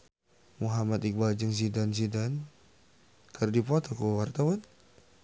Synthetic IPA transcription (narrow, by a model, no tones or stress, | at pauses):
muɦamat̪ik̚bad͡ʒəŋs̬idans̬idan | kʰərdipɔt̪ɔkuwart̪awan